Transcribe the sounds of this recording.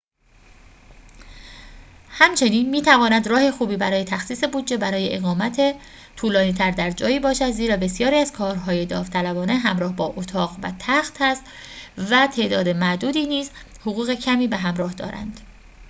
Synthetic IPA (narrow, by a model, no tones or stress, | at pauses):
hæmt͡ʃʰe̞niːnmiːt̪ʰævɒːnæd̪rɒːhe̞xuːbiːbæɾɒːje̞t̪ʰæxsiːse̞buːd̪d͡ʒe̞bæɾɒːje̞ʔeɣɒːmæt̪ʰe | t̪ʰuːlɒːniːt̪ʰæɾd̪æɾd͡ʒɒːjiːbɒːʃæd̪ziːɾɒːbe̞sjɒːɾiːæzkʰɒːɾɦɒːje̞d̪ɒːft̪ʰælæbɒːne̞ɦæmɾɒːhbɒːʔot̪ʰɒːɣvæ̰t̪ʰæxt̪hæst̪ | væt̪ʰe̞ʔd̪ɒːd̪e̞mæʔd̪uːd̪iːniːz | hoɣuːɣe̞cʰæmiːbeɦæmɾɒːhd̪ɒ̰ːɾæ̰nd̪̥